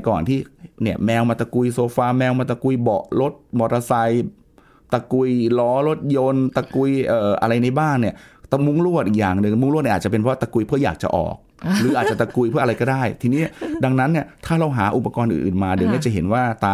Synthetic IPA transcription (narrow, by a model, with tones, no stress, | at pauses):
kɔː˨˩nt̪ʰiː˥˩ni˥˩ɐmɛː˧wmaː˧t̪a˧ku˧jsoː˧faː˧mɛː˧wmaː˧t̪a˧ku˧jbɔ̰˨˩ʔlo˦˥t̪̚bɔ˨˩t̪a˧sa˧j | t̪a˧ku˧jlɔː˦˥ɾo˦˥t̪̚jo˧nt̪a˧ku˧jʔɤː˨˩ʔa̰˧ɾa˧jna˧jbaː˥˩nːi˥˩ɐt̪a˧mu˦˥˩ŋlu˥˩ət̪ʔi˨˩jaː˨˩ŋnɯ˧ŋmu˥ŋlt̪n̚ː˧˥˨t͡ɕa˨˩pe˧nʰpʰwa˥˧t̪a˧ku˧jpʰɯ˥˩ɐjaː˨˩k̚t͡ɕa̰˨˩ʔɔ̰ː˨˩k̚ | ɾɯː˩˦ʔaː˨˩t̪̚t͡ɕa˨˩t̪a˧ku˧jpʰɯ˥˩ɐ˧ɾa˧kɔː˥˩daː˥˩jt̪ʰiː˧niː˦˥da˧ŋna˦˥nːi˥˩ɐt̪ʰaː˥˩ɾa˧wɦaː˩˦ʔu˨˩pːa˧kɔː˧nʔɯ̰ː˨˩nʔɯ̰ː˨˩nmaː˧di˨˩˦wnaː˥˩t͡ɕa˨˩ɦe˩˦nwaː˥˩t̪aː˧